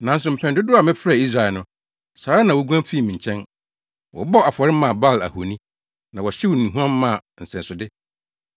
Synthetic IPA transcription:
nã˨n˦s̬ʊ˨m̩˨pʰɛ̃˨ndʊ˦dʊ˦a˨mɪ̃˦fɾa˦˨i˦s̬ɾa˨ɛ˨nʊ̃˦ | saː˨˦ɾa˦nã˨wɔ˦ɡʷu˦ã˦m˦fi˦˨mĩ˨ɲ̩˨t͡ɕʰɛ̃˦n | wɔ̰˨bɔ˦a˨fɔ˨ɾɪ˦mã˨ba˦˨læ̰˨ho˨nĩ˦ | nã˨wɔ˨ɕi˦wo˨nĩ˨ɦũ˦ã˦mːã˦˨n̩˨sɛ̃˨nsʊ˨dɪ˦

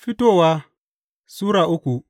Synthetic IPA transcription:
fi˦to˦˨wa˦ | suː˦ɾa˨ʔu˦ku˨

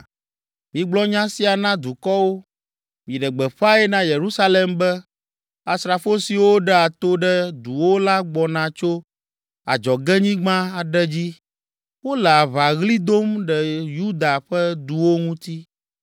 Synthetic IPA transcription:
mĩ˨ɡ͡blɔ˦ɲã˦si˦a˨nã˦d̪u˨kɔ˦wo˦ | mĩ˨ɖɛ˨ɡ͡bɛ˨ɸa˦ɛ˦nã˦je˨ɾu˦sa˦le˨mbɛ˦ | a˨sɾa˨fo˦si˨wo˦ɖɛ˦a˨t̪o˦ɖɛ˦d̪u˨wo˦la˦ɡ͡bɔ˨nã˨˦t͡ʃo˦ | a̰˨d͡ʒɔ˨ɡɛ˦ɲĩ˦ɡ͡bã˦a˨ɖɛ˦d͡ʑi˦ | wo˦lɛ˨a˨βa˨ɣli˦d̪o˦mɖɛ˨ju˦d̪a˨ɸɛ˦d̪u˨wo˦ŋũ˦t̪i˦

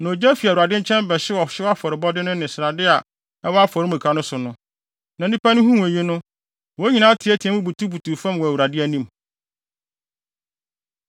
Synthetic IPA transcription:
nã˨o˨d͡ʑæ˦fi˨u˨ɾa˨dɪ˦ɲ̩˦t͡ɕʰɛ̃˦n˦bɛ˨ɕɪ˦wɔ˨ɕɪ˦a˦fɔ˨ɾɪ˨bɔ˦dɪ˦nʊ̃˦nɪ̃˨sɾa˨dɪ˦a˨ | ɛ˦wɔ˦a˦fɔ˨ɾɪ˦mũ˨kʰa˨nʊ̃˦sʊ˨nʊ̃˦ | nã˨n˨˦ĩ˦pa˦nʊ̃˦ɦũ˦m˨e˨ji˦nʊ̃˦ | wo˨˦ɲĩ˨nã˦tʰɪ˨˦æ˦tʰi˨ɛ˦mũ˦bu˨tʰu˦bu˨tʰu˨fã˦mwɔ˨æ˨wu˨ɾa˨dɪ˦æ˦nĩ˦m

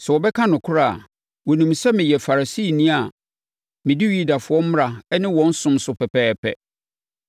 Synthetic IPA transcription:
sɛ˨wɔ˨bɛ˦kʰã˦nʊ̃˨kʰʊ˦ɾa̰˦˨ | wɔ˨nũ˨msɛ˦mɪ̃˨jɛ˨fa˨ɾa˨si˦˨nĩ˦a˨ | mɪ̃˨di˦ɥi˦da˨fʊ˨ɔ˦m̩˦m˦a˨ɛ˦nɪ̃˦wɔ̃˦n̩˦sʊ̃˦msʊ˨pʰɛ˨pʰɛː˦pʰɛ̰˨

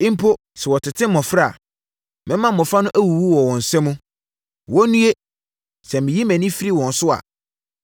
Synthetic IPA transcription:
ĩ˦m̩˦pʰo˦ | sɛ˨wɔ˨tʰɪ˨tʰɪ̃˦m˦mɔ̃˨fɾa˦˨ | mɪ̃˦mã˦m˦mɔ̃˨fa˦nʊ̃˦ʔæ˦wu˨wu˦wɔ˨wɔ̃˨n̩˨sɛ˦mũ˦ | wɔ̃˦nũ˦e˦ | sɛ˨mɪ̃˨ji˦mæ̃˨nĩ˦fi˦ɾi˦wɔ̃˨n˨sʊ˦a̰˨

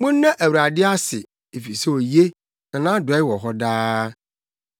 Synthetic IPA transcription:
mʊ̃˦nː˦ã˦ʔæ˨wu˨ɾa˨dɪ˦a˦sɪ˨ | e˨fi˨sɛ˦o˨je˦ | nã˨nãː˦dʊ˨ɛ˦wɔ˨ɦɔ˦daː˦

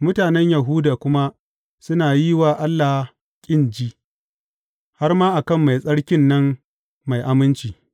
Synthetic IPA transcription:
mʊ˦taː˨nɛ˦ɲja˨ɦʊː˦daː˨kʷʊ˦ma˦ | sʊ˦naː˨ji˦waː˨ʔa˦lːa˨ | kʲʼɪ˦˨nd͡ʒiː˦ | ha˦rmaː˦ʔa˨kɐ˦˨mːa˨jsʼɐ˦ɽkʲɪ˦nːɐ˦mː | a˨jʔa˦mɪ˦nt͡ʃiː˨

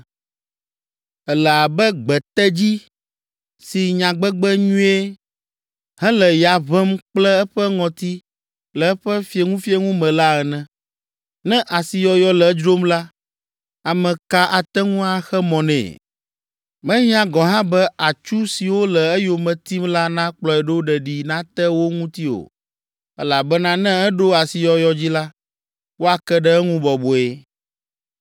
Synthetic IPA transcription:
ɛ˨lɛ˨a˨bɛ˦ɡ͡bɛ˨t̪ɛ˦d͡ʑi˦ | si˨ɲã˨ɡ͡bɛ˦ɡ͡bɛ˦ɲũ˦e˦ | hɛ̃˦lɛ˨ja˨βɛ˦mk͡plɛ˦ɛ˦ɸɛ˦ŋɔ̃˨t̪i˦ | lɛ˨ɛ˦ɸɛ˦fi˦e˨ŋũ˦fi˦e˦ŋũ˦mɛ̃˨la˦ɛ˨nɛ̃˨ | nɛ̃˦ʔa˨si˨jɔ˨jɔ˦lɛ˨˦d͡ʒɾo˦mla˦ | a˨mɛ̃˨ka˦ʔa˨t̪ɛ˦ŋũ˦a˦xɛ˦mɔ̃˨nɛ̰̃ː˨ | mɛ̃˦ɲĩ˦ã˨ɡɔ˨ɦã˦bɛ˦a˨t͡ʃu˦si˨wo˦lɛ˨ɛ˦jo˨mɛ̃˨t̪i˦mla˦nã˦k͡plɔ˨ɛ˨ɖo˦o˦ɖɛ˨ɖi˨nã˦t̪ɛ˦wo˦ŋũ˦t̪i˦o̰˨ | ɛ˦la˨bɛ˦nã˦nɛ̃˦ɛ˦ɖo˦a˨si˨jɔ˨jɔ˨d͡ʑi˦la˦ | wo˦a˨kɛ˦ɖɛ˦ɛ˦ŋũ˦bɔ˨bo˨e˦

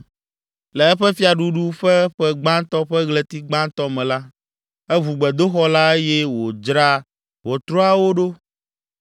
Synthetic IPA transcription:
lɛ˨ɛ˦ɸɛ˦fi˦a˨ɖu˦ɖu˦ɸɛ˦ɸɛ˦ɡ͡bã˦nt̪ɔ˦ɸɛ˦ɣlɛ˨t̪i˦ɡ͡bã˦nt̪ɔ˦mɛ̃˨la˦ | ɛ˦vu˨ɡ͡bɛ˨d̪o˦xɔ˦la˦e˦jɛ˦wo˨d͡ʒɾa˦ | wɔ˨t̪ɾo˦a˦wo˦ɖo˦

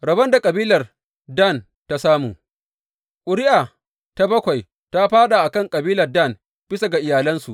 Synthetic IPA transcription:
ɾɐ˨bɐ˦nda˨kʼɐ˨biː˦lɐ˨r | da˦˨n | ta˦saː˦muː˨ | kʷʼʊ˨ɾɪ˦ʔa˨ | ta˦bɐ˦kʷa˨j | ta˦ɸaː˦ɗa˨ʔa˨kɐ˦˨ŋkʼɐ˨biː˦lɐ˨rda˦˨n | b̥ɪ˦sa˨ɡa˨ʔɪ˨jaː˨lɐ˦nsṵ˨ʔ

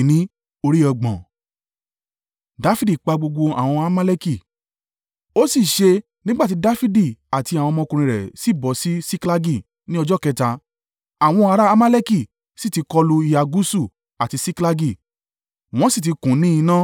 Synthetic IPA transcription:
nĩ˦ | o˧ɾi˦ɔ˧ɡ͡bɔ̃˨ | da˦fi˦di˦˨k͡pa˧ɡ͡bo˧ɡ͡bo˧a̰˨w̃ɔ̃˧a˧ma˦lɛ˦ki˦˨ | o˦si˦˨ʃe˧ | nĩ˦ɡ͡ba˦˨ti˨˦da˦fi˦di˦˨a˨ti˧a˨wɔ̃˧mɔ̃˧˦kũ˧ɾ̃ĩ˧ɾɛ̰˨si˦˨bɔ˨˦si˦si˦kla˦ɡi˦˨ | nĩ˦ɔ˧d͡ʒɔ˦˨kɛ˦ta˧ | a˨w̃ɔ̃˧a˧ɾa˦a˦ma˦lɛ˦ki˦˨ | si˦˨ti˧˦kɔ˧lu˧i˧˦a˨ɡu˦su˦˨ | a˨ti˧si˦kla˧ɡi˦˨ | w̃ɔ̃˦si˦˨t̬i˧kũ˨˦nĩ˦ĩ˧˦nã˦

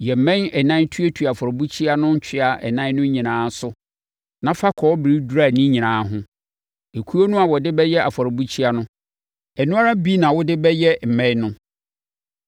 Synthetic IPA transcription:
jɛ˨m̩˨mɛ̃˦nɛ˨nã˦ntʰu˦e˦tʰu˨a˨fɔ˨ɾɔ˨bu˦t͡ɕʰi˦a˦nʊ̃˦ɲ̩˦t͡ɕʰᶣɪ˦a˨ʔɛ̰˨nã˦nʊ̃˦ɲĩ˨nãː˦sʊ˦ | nã˦fa˦kʰɔ˨ɔ˦bɾi˦du˦ɾa˦˨nĩ˦ɲĩ˨nãː˨˦ɦʊ̃˦ | e˨kʰu˦o˦nʊ̃˦a˨wɔ˨dɪ˦bɛ˦jɛ˦ʔa˨fɔ˨ɾɔ˨bu˦t͡ɕʰi˦a˦nʊ̃˦ | ɛ˨nũ˦a˦ɾa˦bi˦nã˨wʊ˦dɪ˦bɛ˦jɛ˦m̩˨mɛ̃˦ɲnʊ̃˦

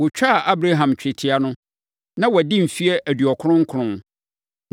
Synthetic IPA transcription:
wʊ˨t͡ɕᶣa˦˨ʔa˦bɾa˦ɦã˨mt͡ɕᶣɪ˨tʰɪ˨a˦nʊ̃˦ | nã˦wɔ˨dɪ̃˦m̩˨fi˦ɛ˦ʔæ˨dɥɔ˨kʰʊ˦ʊ̃˦ŋ̩˦kʰʊ˨ɾʊ̃˦

